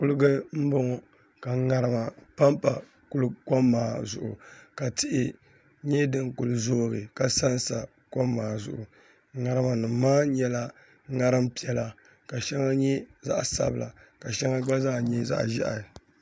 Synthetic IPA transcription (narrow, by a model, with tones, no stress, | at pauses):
kʊ˦lɨ˦ɡɨ˦m̩˦bɔ˦ŋɔ˨ | ka˨ŋa˨ɾɨ˦ma˨pa˦mpa̰˨ | kʊ˦lka˦mːaː˨zʊ˨ʔʊ̰˨ka˨tɪ˦ʔɪ˦ | ɲɛ˦dɨ˦ŋkʊ˨lɨ˨zoː˦ɣɨ˨ka˨sa˦n˦sa˨ | ko˦mːaː˨zʊ̰˦ʔʊ˨ | ŋa˨ɾɨ˦ma˨nɨ˨m˦maː˦ɲɛ˦la˦ | ŋa˦ɾɨ˦mpi˦ɛ˨la˨ | ka˨ʃɛ˦ŋa˦ɲɛ˦za̰˦ʔsa̰˨bɨ˨la̰˨ka˨ʃɛ˦ŋa˦ɡ͡ba˦za˦˨ɲɛ˦za̰˦ʔʒɛ̰˦ʔa̰˨